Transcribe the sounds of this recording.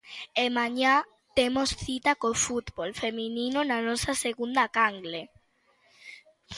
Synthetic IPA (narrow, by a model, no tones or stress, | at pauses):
emãɲa | t̪emosθit̪akofut̪bolfemininonanɔsaseɣund̪akaŋɡle